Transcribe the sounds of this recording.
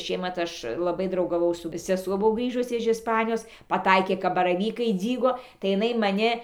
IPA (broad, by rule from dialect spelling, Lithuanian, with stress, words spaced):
ɪ ˈʃʲiɛmɐt ˈɐʃ lˠɐˈbɐɪ drɐʊɡɐˈʋɐʊ sʊ sʲɛˈsuɔ ˈbʊʋoː ˈɡrʲiːʒʊs ɪʃ ɪsˈpɑːnʲɪjoːs pɐˈtɐɪkʲeː kɐp bɐrɐˈʋʲiːkɐɪ ˈd͡zʲiːɡoː tɐɪ jɪˈnɐɪ mɐˈnʲɪ